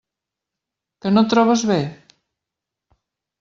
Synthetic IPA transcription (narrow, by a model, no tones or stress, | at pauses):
kənot̪ɾɔβəzβe